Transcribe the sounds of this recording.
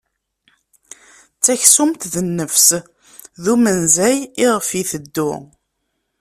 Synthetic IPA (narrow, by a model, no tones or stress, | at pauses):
t͡sːæçsʊmt̪ðənːəfs | ðumənzæjɪʁəfiθəd̪ːʊ